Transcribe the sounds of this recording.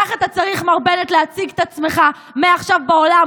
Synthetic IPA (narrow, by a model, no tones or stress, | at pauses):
aχat̪at͡saʁiχmaʁbe̞net̪leat͡siɡt̪at͡smeχa | meaχʃavbao̞la